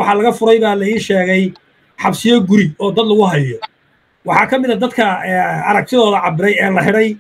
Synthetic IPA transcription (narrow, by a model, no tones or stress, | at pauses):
wɑħɑlɐɣɐfʊɾɛjβaːlɐiːʃɛːɣɛj | ħɑbsɪjɔɡʊɾɪbɔːd̪ɐd̪lɐɣʊɦɐjɔ | wɑħɑːkʰɐmɪðɐd̪ɐd̪kʰɐɛːɐɾɐɡ̚t̪ʰɪðɔːðɐʕɑbɪɾɛjɛːlɐħɪɽɛj